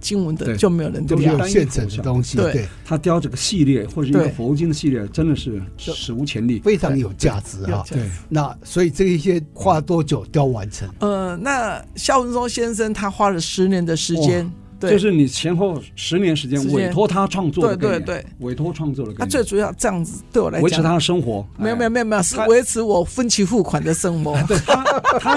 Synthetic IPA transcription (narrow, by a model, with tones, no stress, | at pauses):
t͡ɕi˥ŋwə˧˦˥nt̪ə˧e˧˩t͡ɕjo˥˩me˧˥ɪjə˧˥n˥˧˨o˨˦˥ɕjɛ˥˨˩nt͡sʰə˧˥dt̪ʊ˥ŋɕi˧t̪wet̪we˥˩ɪt̪ʰa˥t̪jɑ˥ʊʈ͡ʂɤ˥˩ɡə˩ɕi˥˧ljɛ˥˩xwɔ˥˩˨ʂ̩˥˧e˥˧˥ɡə˧fɔ˧˥u˥˧t͡ɕi˥ŋd̪ə˨ɕi˥˧ljɛ˥˩ʈ͡ʂə˥nd̪ə˨ʂɻ̩˥˩˧ | ʂɻ̩˨˩u˧˥t͡ɕʰjɛ˧˥nli˥˩fe˥ɪʈ͡ʂʰɑ˧˥ŋjo˨˩ʊt͡ɕja˥˧˩t͡sɹ̩˧˥˦ɐ̰˧e˥˩na˥˧swɔ˧˥i˨˩ʈ͡ʂɤ˥˩ɡə˧i˥˩ɕjɛ˥xʰwa˥t̪wɔ˥t͡ɕjo˨˩ʊt̪jɑ˥ʊwa˧˥nʈ͡ʂʰə˧˦ŋə˥˧na˥˩ɕjɑ˥ʊsə˥ŋʈ͡ʂʊ˥ŋɕjɛ˥nʂ̬ə˥nt̪ʰa˥xwa˥lə˨ʂɻ̩˧˥njɛ˧˥nd̪ə˨ʂɻ̩˧˥t͡ɕjɛ˥n | t̪we˥˩jo˥˧ʂ̬ɻ̩˥˩ni˨˩t͡ɕʰjɛ˧˥nxo˥˩ʊʂɻ̩˧˥njɛ˧˥nʂɻ̩˧˥t͡ɕjɛ˥n˧we˨˩ɛɪ˥tʰwɔ˥t̪ʰa˥ʈ͡ʂʰwɑ˥˧ŋt͡swɔ˥˧wɪt̪we˥˧ɪt̪we˥˩ɪwe˨˩ɪt̪ʰwɔ˥ʈ͡ʂʰwɑ˥˧ŋt͡swɔ˥˩lə˩kəa˧t͡swe˥˩ɪʈ͡ʂu˨˩jɑ˥˧ʊʈ͡ʂɤ˥˧jɑ˥˩ŋd͡zɹ̩˩t̪we˥˩ɪwɔ̰˨la̰˧˥e˧˥t͡ɕʰɻ̩˧˥t̪ʰa˥ə˨ʂɤ˥ŋxwɔ˧˥me˥jo˨˧me˥˨˧m˧e˥o˨˩˧we˧˥ɪt͡sʰɹ̩˧˥wɔ˨˩fə˥nt͡ɕʰi˧˥fu˥˩kʰwa˨˩nd̪ə˨ʂə˥ŋxɔ˧˥we˥˩t̪ʰt̪ʰa˥